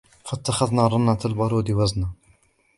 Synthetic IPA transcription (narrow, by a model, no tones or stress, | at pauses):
fat̪ːaxaðnaɾˤɑnːat̪albɑɾˤuːd̪iwæzna